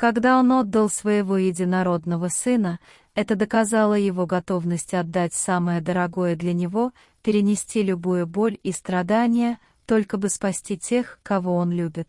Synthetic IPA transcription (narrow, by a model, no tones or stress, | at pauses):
kɐɡd̪ao̞no̞d̪ːəlˠsvəjɪvo̞jɪdʲɪnɐɾo̞d̪nəvəsɨnə | ɛt̪əd̪əkɐzalˠəjɪvo̞ɡɐt̪o̞vnəsʲtʲɐd̪ːatʲsaməjəd̪əɾɐɡo̞jəd̪lʲɐnʲɪvo̞ | pʲɪɾʲɪnʲɪsʲtʲilʲʊbujəbo̞lʲist̪ɾɐd̪anʲɪjə | t̪o̞lʲkəbɨspɐsʲtʲitʲe̞xkɐvo̞o̞nlʲubʲɪt̪